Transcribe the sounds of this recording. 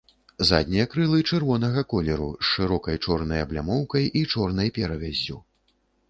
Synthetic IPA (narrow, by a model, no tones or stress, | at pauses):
za̰d̪̚ʲnʲijɐkɾɨlˠɨt͡ʂɛrvɔnɐɣɐkɔlʲɛɾṵsʂɨɾɔkɐjt͡ʂɔrnɐjɐblʲamɔwkɐjʔit͡ʂɔrnɐjpʲɛɾɐvʲazʲːu